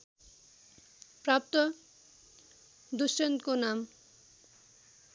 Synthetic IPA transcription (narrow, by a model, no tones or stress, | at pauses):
pɾap̚t̪o | d̪uʃent̪̚konam